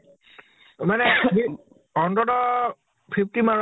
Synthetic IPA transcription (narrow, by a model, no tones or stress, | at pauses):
manɛɦi | ɔndɔdɔ | pʰip̚timaɹ